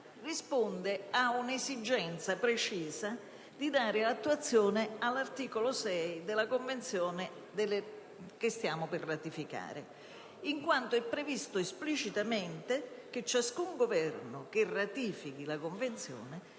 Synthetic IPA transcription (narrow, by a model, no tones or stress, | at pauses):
rispond̪ɪaunezid͡ʒɛnt̪sapɾet͡ʃiːza | d̪id̪aːɾɪlat̪ːuwat̪sːjɔːnɪalːart̪iːkolʊsɛjd̪ɪlːakoɱvent̪sjɔːnɪ | d̪ɪl | kɪst̪jaːmʊpɪrːat̪ifika̰ːɾɪ | iŋkwant̪oɛpːɾevist̪ʊɛsplit͡ʃit̪amɛnt̪ɪk̟ɪt͡ʃːaskuŋɡovɛrnʊk̟ɪrat̪iːfikilakoɱvent̪sjɔ̰ːnɪ